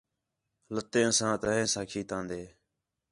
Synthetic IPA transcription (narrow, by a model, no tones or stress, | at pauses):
lət̪ẽːsãːt̪əɦẽːsaːkʰiːt̪ãːnd̪eː